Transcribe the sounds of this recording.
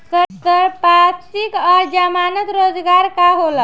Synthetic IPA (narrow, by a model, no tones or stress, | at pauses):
sət̪əɾpat̪sikəɾd͡ʑamanət̪ɾod͡zɡaɾkaɦolə